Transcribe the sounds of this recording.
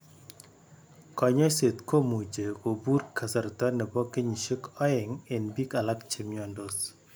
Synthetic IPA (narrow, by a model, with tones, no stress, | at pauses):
kɔ˨ɲɔ˦se˨t̪ko˦mu˨d͡ʒe˨ko˨bu˦ɾkʰa˨sa˨ɾt̪a˦nɛ˨bɔ˦ke˦ɲi˨ʃi˦kɔ˦ɪ˨ŋe˨nbi˦ka˨la˦kt͡ʃi˨mjɔ˨ndos